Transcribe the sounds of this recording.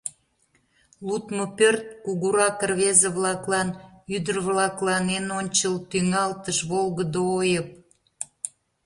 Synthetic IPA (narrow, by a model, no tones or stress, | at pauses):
lut̪mopørt̪̚kuɣuɾɑkərβezəβlɑklɑnyd̪ərβlɑklɑnenonʲt͡ɕəlt̪yŋɑlt̪əʃβolɣəd̪oojəp̚